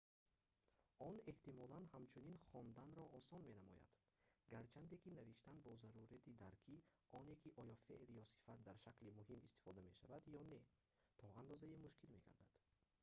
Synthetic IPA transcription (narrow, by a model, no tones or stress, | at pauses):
ɔne̞ht̪imɔlanhamt͡ʃʰuninχɔnd̪anɾɔʔːsɔnme̞namɔ̰ja̰d̪̥ | ɡaɾt͡ʃʰand̪ekinaviʃt̪anbɔzaɾuɾat̪ʰid̪aɾkʰi | ɔnekʰiʔɔjɔfḛʔɾjɔsi̥fat̪̚d̪aɾʃaklimuhimist̪i̥fɔd̪ame̞ʃavad̪jɔne̞ | t̪ʰɔand̪ɔzaemuʃkilme̞ɡa̰ɾd̪ad̪̥